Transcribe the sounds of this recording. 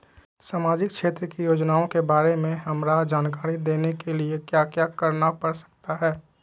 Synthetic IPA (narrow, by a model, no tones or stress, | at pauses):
saːmaːd͡ʒɪk̚kʃeːt̪ɾəkijoːd͡ʒnaːõkebaːɾemẽɦɐmɾad͡ʒaːnkaːɾid̪eːnekeliekjaːkjakɐɾnapɐɽsə̥k̚t̪aɦɛː